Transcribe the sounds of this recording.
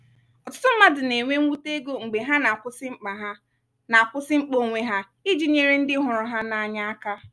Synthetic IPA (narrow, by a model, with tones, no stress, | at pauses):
ɔ˨tʊ̥˦tʊ˦m̩˦ma˦dɪ˨ne˨ŋʷe˦u˦te˦ɡo˦ŋ͡m̩˨ɡ͡be˨ɦa˦na˨kʷʊ˦sɪ˦ŋ͡m̩˦k͡pa˨ɦ | na˨kʷʊ˦sɪ˦ŋ͡m̩˦k͡po˦˨ŋʷe˦ɦa˦ | i˦d͡ʒi˦ɲe˦ɾe˦n̩˦dɪ˦ɦʊ˨ɾʊ˨ɦa˦na˨a˨ɲa˦a˦ka˦